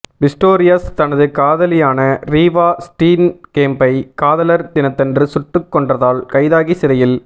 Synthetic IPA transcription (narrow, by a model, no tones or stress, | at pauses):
ʋɪsʈoːɾɪjɐst̪ɐnɐðɯkaːðɐlɪjaːnɐɾiːʋaːsʈiːnkeːmbɐɪkaːðɐlɐɾt̪ɪnɐt̪ːɛndrɯsʊʈːɯkːɔɳɖrɐðaːlkɐɪðaːɣisɪɾɐjɪl